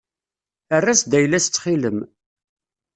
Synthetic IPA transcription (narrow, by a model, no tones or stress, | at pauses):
ərːæsd̪æjlæst͡sːχiləm